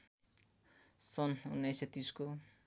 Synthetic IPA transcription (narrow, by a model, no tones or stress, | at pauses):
sɔnuneset̪isko